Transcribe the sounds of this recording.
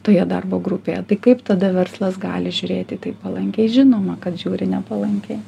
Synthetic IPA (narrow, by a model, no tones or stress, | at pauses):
t̪oːjɛd̪ɐ̰rboːɡɾʊpʲeːjɛt̪ɐɪkɐɪpt̪ɐd̪ɐʋʲɛrslˠɐsɡɑːlʲɪʒʲʊɾʲeːt̪ʲɪt̪ɐɪpːɐlˠɐŋʲkʲɛɪʒʲɪnoːmɐkɐt̪ʒʲuːɾʲɪnʲɛpɐlˠɐŋʲkʲɛɪ